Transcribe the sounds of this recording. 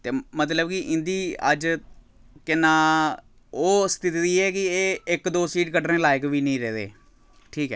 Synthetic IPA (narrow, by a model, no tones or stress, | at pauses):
t̪eːmət̪ləbkɪʔɪnd̪iːə̰d͡ʒ | kɪnãː | oːst̪ɪt̪ːd̪iːɛːkɪeːɪkd̪oːsiːʈkəʈɾẽːlaːɪkʋiːnəĩːɾɛːd̪ḛː | ʈʰiːkɛː